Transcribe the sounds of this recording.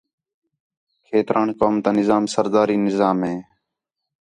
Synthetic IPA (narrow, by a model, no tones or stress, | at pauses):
kʰeːt̪ɾʔaːnkoːmt̪ãːnɪzaːmsəɾd̪aːɾiːnɪzaːmɦeː